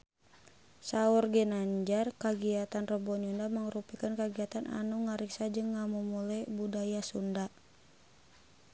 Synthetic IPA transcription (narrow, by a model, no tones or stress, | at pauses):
saurɡɛnaɲd͡ʒarkaɡiat̪anrəbɔɲundaməŋɾupikankaɡiat̪anʔa̰nuŋaɾiksad͡ʒɨŋːamumulɛbudajasunda